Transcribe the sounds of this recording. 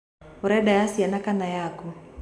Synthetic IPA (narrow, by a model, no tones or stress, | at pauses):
uɾɛɗajasianakanajaku